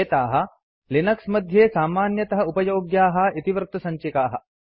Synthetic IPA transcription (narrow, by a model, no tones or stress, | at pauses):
t̪aːɦɐ̆ | linɐksmɐd̪ʱjeːsaːmaːnjɐt̪ɐɦɐupɐjoːɡjaːɦɐ̆it̪iʋɾt̪ɐsɐɲt͡ʃikaːɦɐ̆